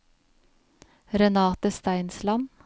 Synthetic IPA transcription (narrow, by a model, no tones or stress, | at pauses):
ɾɛnɑːt̪əst̪æɪnslɑm